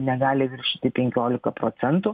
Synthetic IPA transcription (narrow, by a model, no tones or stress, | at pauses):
nʲɛɡɑːlʲɪʋʲɪɾʲʃʲɪt̪ʲɪpʲɛŋʲkʲoːlʲɪkɐpɾoːt̪sʲɛnt̪ʊ